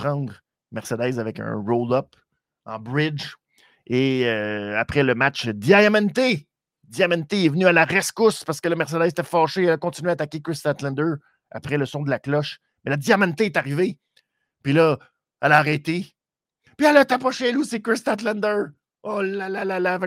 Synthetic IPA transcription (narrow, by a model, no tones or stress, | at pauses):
pχɑ̃ːd̪ʁ | mɛʁsɛd̪ɛːzavɛkə̰̃ʁold̪ʌp | ɑ̰̃ːbʁɪd͡ʒ | eøapχɛləmat͡ʃd̪iajamɛ̃nt̪e | d̪iamɛ̃nt̪eɛvnyalaʁɛskʊspaʁsə̥kələmɛʁs̬ɛd̪ɛzet̪ɛfɑːʃealakɔ̃t̪inyɥeat̪akʲekɹɪst̪at̪lɛ̃nd̪ə˞ | a̰pʁɛləsɔ̃d̪əlaklɔʃ | mɛlad̪ijamɛ̃nt̪eːt̪aʁive | pɥilʌ | alaːʁɛt̪e | pialat̪apʁɔʃealusikɹɪst̪at̪lɛ̃nd̪ə˞ | olalalalav